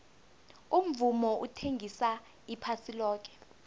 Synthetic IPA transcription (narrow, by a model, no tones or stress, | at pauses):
um̩vumɔʔutʰeŋɡʱisa | ipʰasilɔːk̬ɛ̥